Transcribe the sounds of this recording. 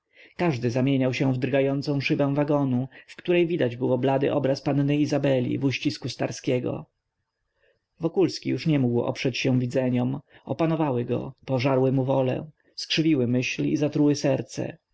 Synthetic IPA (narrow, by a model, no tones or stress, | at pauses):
kaʐd̪ɘzamʲjeɲawɕɛ̃vd̪ɾɡajɔnt̪sɔ̃w̃ʂɘbɛ̃w̃vaɡɔnufkt̪uɾɛjvʲid̪ad͡ʑbɘwɔblad̪ɘ̰ʔɔbɾaspanːɘizabɛlʲḭvuɕt͡ɕiskust̪a̰ɾskʲɛɡɔ̰ | vɔkulskʲḭjuʂɲɛmuɡwɔ̰pʂɛt͡ɕɕɛ̃vʲid̪zɛɲɔmɔpanɔvawɘɡɔ̰pɔʐaɾwɘmuvɔlɛ̰̃ | skʂɘvʲiwɘmɘɕlḭzat̪ɾuwɘsɛɾt̪sɛ̰